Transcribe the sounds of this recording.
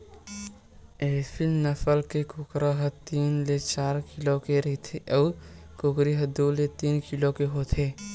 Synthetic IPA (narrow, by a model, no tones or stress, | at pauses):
epʰilnəpʰəlkekʊkɾaɦət̪iːnlet͡ʃaːɾkilokeɾəɦit̪ʰeʔəː | kʊkɾiɦəd̪ulet̪iːnkilokeɦoːt̪ʰeː